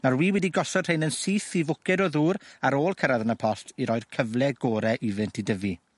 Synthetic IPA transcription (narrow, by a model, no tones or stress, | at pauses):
narwiːwɛdiɡɔsɔd̥rejnənsiːθivʊkɛdɔðuːɾaɾoːlˠkʰəɾaðənəpʰɔstʰiɾɔɨr̥kʰəvlˠɛɡoːɾɛʔivɨntʰidəvi